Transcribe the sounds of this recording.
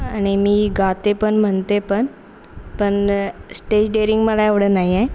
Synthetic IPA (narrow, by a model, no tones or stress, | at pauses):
aɽ̃imiːɡʱat̪epəɳm̤əɳt̪epəɳ | pəɳsʈed͡ʑɖeɾiŋɡməlaeʋɽəːnaɦia